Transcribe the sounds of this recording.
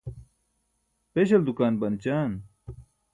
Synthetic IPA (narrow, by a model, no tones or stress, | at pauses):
peːɕɐld̪ukaːnbɐnt͡ɕaːn